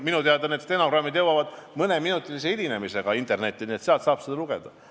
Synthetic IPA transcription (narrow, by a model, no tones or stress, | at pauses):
minut̪eɑd̪ɑned̪st̪enokrɑmːid̪jɤwːɑvɑd̪̥mɤneminut̪ːˑilis̬eidine̞mise̞ɡ̥ɑint̪ˑe̞rne̞t̪ʲːˑinie̞t̪seɑlt̪sɑːb̥sed̪ɑluɡ̥e̞̰d̪̥ɑ